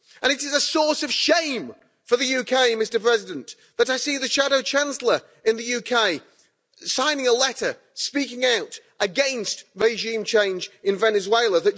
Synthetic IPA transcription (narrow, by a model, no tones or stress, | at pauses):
ʔə̃ɾ̃ɨɾɨzəsɔɹsʌv̥ʃẽɪ̃m | fə˞ðɨjʉkʰeɪmɪstə˞pʰɹ̥ɛzɪdɨ̃n | ðɨɾaɪsiðɨʃæɾoʊt͡ʃʰæ̃nsl̩ˠə˞ | ɨ̃nðɨjʉkʰeɪ | sãɪ̃nɪ̃ŋəlɛɾə˞ | spikɪ̃ŋaʊtʔɨɡɛ̃nstɹeɪʒĩmt͡ʃʰẽɪ̃nd͡ʒɨ̃nvɛnɨzweɪlˠəðɨt̚